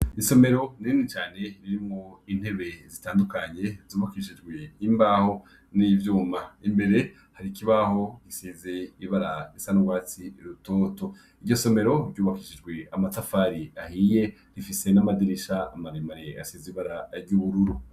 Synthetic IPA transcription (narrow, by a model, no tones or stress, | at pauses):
iso̞me̞ɾo̞niinit͡ʃaːne̞ɾiɾimŋo̞in̥he̞βe̞zitaːndukaɲe̞zuːβakiʃid͡ʒɡweimbaho̞ | nivjuːmaimbe̞ɾe̞ | haɾikiβaho̞ɡ̥isizeiβaɾaisanuɡwaːt͡siɾutoːto̞ | iɾɟo̞so̞me̞ɾo̞ɾɟuːβakiʃid͡ʒɡwe̞amatafaɾiahije̞ | ɾifise̞namadiɾiʃaːmaɾemaɾea̰seziβaɾaɾɟuβuɾuɾu